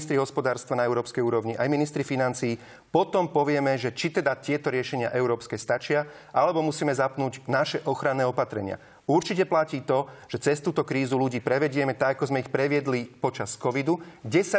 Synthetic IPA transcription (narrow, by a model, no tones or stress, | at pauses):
st̪ɾiɦɔspɔd̪aːɾst̪ʋanaɛʊɾɔːpskɛjuːɾɔʋɲiʔajminist̪ɾifinant͡siː | pɔt̪ɔmpɔʋɪɛmɛʒɛt͡ʃit̪ɛd̪at̪ɪɛt̪ɔɾɪɛʃɛɲɪa̰ʔɛʊɾɔːpskɛːst̪at͡ʃɪa | ʔalɛbɔmusiːmɛzapnuːɟnaʃɛʔɔxɾanːɛːɔpat̪ɾɛɲɪa̰ | uɾt͡ʃicɛplaciːt̪ɔʒ̥ɛt͡sɛst̪uːt̪ɔkɾiːzuluɟiːpɾɛʋɛɟɪɛmɛt̪aɡakɔzmɛixpɾɛʋɪɛd̪lipɔt͡ʃaskɔʋid̪uɡɟɛsa